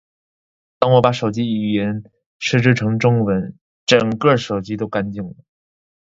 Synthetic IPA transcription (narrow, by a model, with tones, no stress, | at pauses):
t̪ɑ˥ŋwɔ˧˥pa˨˧˥ʂo˨˩ʊt͡ɕi˥i˨˩jɛ˧˥n | ʂɻ̩˥˧ʈ͡ʂɻ̩˥˩ʈ͡ʂʰɤ˧˥ŋʈ͡ʂʊ˥ŋwə˧˥n | ʈ͡ʂɤ˨˩ŋkɤ˥˩ʂo˨˩ʊt͡ɕi˥t̪o˥ʊka˥nt͡ɕi˥˩ŋlə˩˦